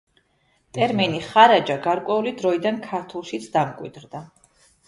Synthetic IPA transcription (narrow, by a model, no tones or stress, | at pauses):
t̪ʼɛɾminiχaɾad͡ʒaɡaɾkʼwɛulid̪ɾɔid̪ankʰaɾt̪ʰulˠʃit̪sʰd̪amkʼwḭd̪ɾd̪a